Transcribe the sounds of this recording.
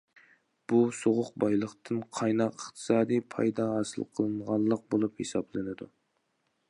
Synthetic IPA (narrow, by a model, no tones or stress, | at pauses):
b̥usoʁʊq̚bɑjlˠəχt̪ʰɨnqʰɑjnɑqəχt̪ʰɨ̥sɑːd̪ijpʰɑ̰jd̪ɑɦɑsɨ̰lˠqʰəlˠɨɴʁɑnlˠːəq̚bolˠuphesɑblˠɨnɨd̪u